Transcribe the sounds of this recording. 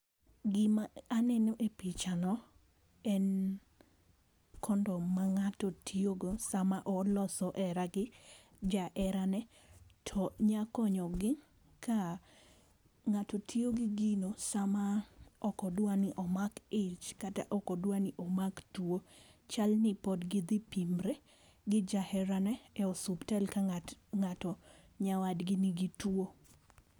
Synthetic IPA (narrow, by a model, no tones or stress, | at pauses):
ɡɪmaːnɛnoʔepit͡ʃanɔ | ɛn | kʰɔndɔmaŋatɔtʰioɡosamaʔɔlɔsɔʔɛɾaɡɪ | d͡ʒaʔɛɾanɛ | tʰɔɲakɔɲɔɡɪ | kʰa | ŋatɔtʰioɡɪɡinosamaɔkɔdwanɪʔɔmakɪt͡ʃkata̰ʔɔkɔdwanɪʔɔmaktwot͡ʃalnɪpɔdɡɪd̪ɪpimɾɛ | ɡɪd͡ʒahɛɾanɛɛɔsubtɛlkaŋatɔ | ɲawadɡɪniɡɪtwo